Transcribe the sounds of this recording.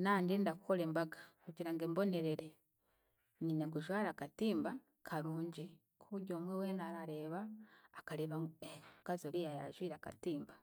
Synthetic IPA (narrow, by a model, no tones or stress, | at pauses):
naːɲdindakuko̞leːmbaɡḁkuɟiɾaŋɡeːmbo̞ne̞ɾeɾe | ɲinaɡuʒwaːɾakatiːmba | kʰaɾuːɲɟi | kʰuβuɟoːmweweːnaːɾaɾe̞βaːkaɾeːβaŋɡkazoɾijajaɾaʒwiːɾaka̰tiːmba